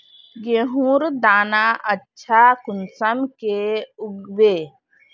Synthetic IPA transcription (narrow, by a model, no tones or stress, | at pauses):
ɡeɦũɾd̪aːnaʔətːʃʰakunsəmkeuɡbe